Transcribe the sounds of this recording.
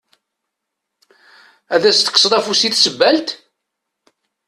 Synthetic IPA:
æðæst̪ə̥ksˤd̪ˤæfusiθsəbːælt̪

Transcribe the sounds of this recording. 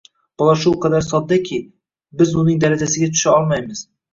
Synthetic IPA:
b̥ɒlˠɑʃulˠqʰɑd̪aɾsɒd̪̚ːakʲʰi | bɪzʊnɪŋd̪aɾad͡ʒasɪɡʲat̪ʰʊ̥ʃaɒlˠmajmɪz̥

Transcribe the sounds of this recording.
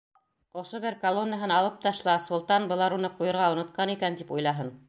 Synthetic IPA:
ŏʃoβɘɾkɐlˠonːəɦɤnɑlˠɤp̚t̪ɑʃlˠɑsulˠt̪ɑnbɤ̆lˠɑɾunɤqujɤ̆ɾʁɑunŏt̪̚qɑnikænt̪ipujlˠɑɦɤn

